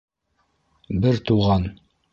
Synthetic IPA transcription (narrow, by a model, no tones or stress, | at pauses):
bɘɾt̪uʁɑn